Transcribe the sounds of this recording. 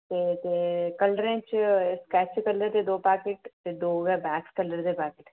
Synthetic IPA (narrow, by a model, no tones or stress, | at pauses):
t̪et̪ekɐləɾẽt͡ʃskɛːt͡ʃt͡ʃkɐələɾt̪ed̪oːpaːkeʈt̪ed̪oːʋɛbɛːkskɐləɾt̪epaːkɪʈ